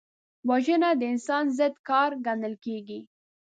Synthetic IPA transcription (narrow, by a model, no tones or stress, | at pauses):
waʒənad̪əɪnsɑnzəd̪kɑɾɡanəlkeɡi